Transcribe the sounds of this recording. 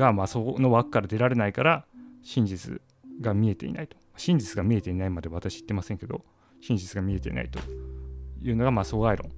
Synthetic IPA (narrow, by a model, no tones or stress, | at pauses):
ɡamasono̞βakɯ̥kːaɾad̪e̞ɾaɾe̞naikaɾaɕĩɲ̟d͡ʑit͡sɨ̰ | ɡamʲie̞t̪e̞̰ḭna̰it̪o̥maɕĩɲ̟d͡ʑit͡sɨɡamʲie̞t̪einaimad̪e̞βat̪aɕi̥it̪ːe̞masẽ̞ŋke̞d̪o̰ | ɕĩɲ̟d͡ʑit͡sɨɡamʲie̞t̪e̞ḭna̰it̪o̞̰ | jɯ̟ːno̞ɡamaso̞ɡaeɾõ̰ŋ